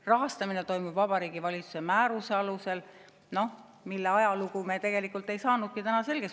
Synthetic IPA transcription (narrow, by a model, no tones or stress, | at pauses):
rɑɦɑst̪ɑmine̞t̪o̞jmub̥vɑbɑɾiːɡivɑlʲit̪su̥semæːɾuse̞ɑluse̞l | no̞ | milːe̞ɑjɑluɡume̞t̪e̞ɡ̥e̞likːˑult̪ːˑe̞jsɑːnud̪̥̚kit̪ænɑse̞lɡ̥e̞s